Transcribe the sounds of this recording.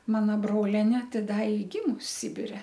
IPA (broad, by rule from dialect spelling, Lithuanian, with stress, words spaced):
ˈmɑːnɐ ˈbroːlʲɛnʲeː ˈtʲɪ ˈdɐ ɪ ˈɡʲɪmʊs ˈsʲɪbʲɪrʲɛ